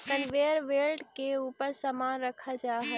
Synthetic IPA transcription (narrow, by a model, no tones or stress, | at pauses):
kənʋeːəɾʋeːlɖkeuːpəɾsəmaːnɾəkʰad͡ʒaːɦɛː